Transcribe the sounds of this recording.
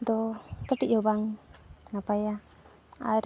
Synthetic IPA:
d̪ɔkəʈiʔɔbaŋnapaja | a̰ɾ

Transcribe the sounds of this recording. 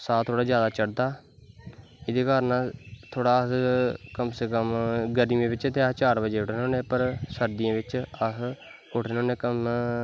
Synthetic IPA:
saːt̪ʰːoːɽaːd͡ʒjaːd̪aːt͡ʃəɽd̪aː | ɪd̪eːkaːɾnãːt̪ʰoːɽaːəskəmseːkəmɡəɾimẽːbɪt͡ʃt̪eːət͡ʃaːɾbəd͡ʒeːʊʈʰːnoːnẽːpəɾsəɾd̪ɪjãːʋɪt͡ʃəs | ʊʈʰːnoːneːkəm

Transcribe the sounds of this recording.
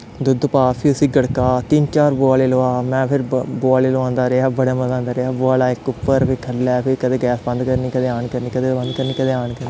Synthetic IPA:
d̪ʊd̪paːpʰiʊsiːɡəɽkaːt̪ɪnt͡ʃaːɾboːaːleːloːaːmɛ̃ːpʰɪɾboːaːleːloãːnd̪aːɾeaːbəɽaːməzãːnd̪aːɾeaːboaːlaːɪkːʊpːəɾpʰɪkʰəlːaːpʰɪkəd̪eːɡɛːsbə̃nd̪kəɾniːkəd̪eːaːɳkəɾniːkəd̪eːbə̃nd̪kəɾniːkəd̪eːaːnkəɾniː

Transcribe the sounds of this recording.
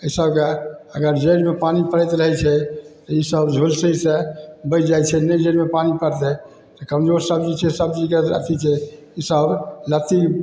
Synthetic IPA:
əisəbkeəɡəɾd͡ʒeɽmepanipəɽɛt̪ɾəɦɛt͡ʃʰɛt̪ɔisəbd͡ʒʱulsəisebət͡ʃʰd͡ʒajt͡ʃʰɛned͡ʒeɽmepanipəɾt̪ɛ | t̪ɔkəmd͡ʒoɾsəb̚d͡ʒit͡ʃʰɛsəb̚d͡ʒikeɾə̰t̪it͡ʃʰɛ | isəblət̪i

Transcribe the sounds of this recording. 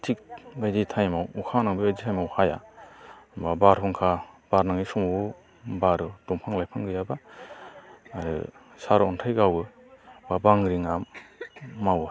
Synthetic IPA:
tʰik̚ɡajditʰajmawukʰanaŋbibajditʰajmawhaja̰ | babaɾhʰɔŋkʰab̥aɾnaŋisɔmu | baɾɯd̥ɔmpʰaŋlajpʰaŋɡɯjaba | ɾɯ̰ | saɾɔntʰajɡawɡɯ | babaŋɾiŋamː | aw

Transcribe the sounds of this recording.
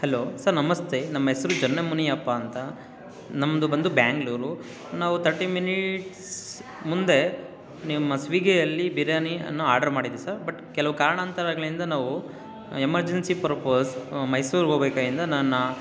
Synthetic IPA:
heloːsɐɾnɐmɐst̪ʰenɐmːɐɦɛsɐɾud͡ʒɐnːemuniɐpːaːnt̪ɐ | nɐmːd̪ubɐnd̪ubjaːŋɡluːɾu | naːʋut̪ʰɐɾʈiːminiʈs | mund̪e̞ | nimːɐsʋiɡɛjɐlːibiɾɐniɐ̰nːuaːɾɖɐɾmaːɽid̪iʋisɐɾbɐʈkɛlɐʋukaːɾɐɳaːnt̪ɐɾaːɡɐlind̪ɐnaːʋu | emɐɾd͡ʒensipɾɐpoːsmɐjsuːɾɦoːbeːkaːd̪ind̪ɐnɐnːɐ

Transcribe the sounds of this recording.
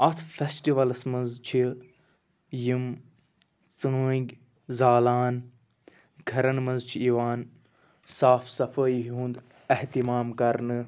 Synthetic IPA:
ɐt̪ʰfesʈiʋɐlsmɐ̃nzt͡ʃʰi | jim | t͡səːɡʲ | zaːlaːn | ɡʱɐɾɐnmɐ̃nzt͡ʃʰiiːʋaːn | saːfʰsɐfʰəjɦũːnd̪ | ɐht̪imaːmkɐɾnɨ

